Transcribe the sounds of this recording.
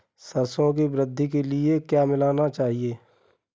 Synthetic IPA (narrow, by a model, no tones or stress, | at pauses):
sɐɾsõk̬ibɾɪd̪ʱːik̬elɪekjaːmɪlaːnat͡ʃaːɦieː